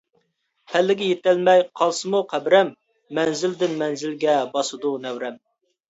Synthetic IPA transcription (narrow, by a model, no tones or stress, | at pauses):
hælːɪɡʲɛjet̪ɛlmɛjqʰɑlˠsɨmuqʰæbɾɛmː | ɛnzɪld̪ɪnmɛnzɪlɡʲɛbɑsɨd̪unɛwɾɛm